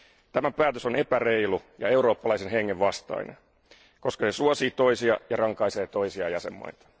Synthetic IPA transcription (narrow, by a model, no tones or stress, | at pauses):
t̪æmæpæːt̪øsonepæreilujɑ̰e̞uɾo̞ːpːɑlɑisenɦeŋːeʋʋɑst̪ɑ̰inen | ko̞skɑse̞suosiːt̪o̞isiɑ̰jɑrɑŋkɑise̞ːt̪o̞isiɑjɑsḛmːɑ̰it̪ɑ̥